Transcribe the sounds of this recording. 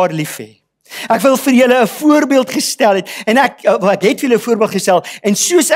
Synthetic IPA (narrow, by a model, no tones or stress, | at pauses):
rlifḛ | ækvəlˠfərjələːfuərbiəlˠtχəstælˠɛt̚ɛnækækɦɛtfərjələəfuəɾbiəlˠtχəstælˠɛnsuəs